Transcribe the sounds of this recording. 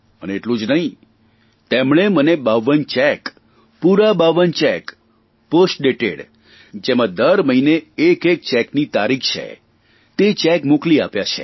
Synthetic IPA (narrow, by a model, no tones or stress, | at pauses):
əneeʈlũd͡ʒnəɦĩ | t̪emɳ̃emənebaʋənt͡ʃɛk | puɾabaʋənt͡ʃɛk | posʈ̚ɖeʈeɽ | d͡ʒemãd̪əɾməineːkek̚t͡ʃɛknit̪aɾikʰt͡ʃʰḛ | t̪et͡ʃɛkmʊkliapjat͡ʃʰḛ